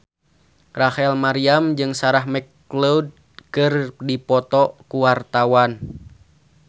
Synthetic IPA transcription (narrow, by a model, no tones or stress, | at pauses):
rahɛlmaɾiamd͡ʒɨŋsaɾaɦmɛk | loud̚ | kɨrdipɔt̪ɔkuwart̪awan